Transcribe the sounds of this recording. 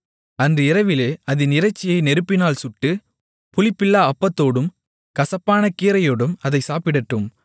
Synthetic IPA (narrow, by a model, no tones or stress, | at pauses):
ɐndrɯɪɾɐʋɪleːɐðɯnɪɾɐɪt͡ʃːɪjɐɪnɛɾɯpːɪnaːlsʊʈːɯ | pʊlɪpːɪlːaːɐpːɐt̪ːoːɽɯm | kɐsɐpːaːnɐkiːɾɐjoːɽɯmɐðɐɪsaːpɪɽɐʈːɯm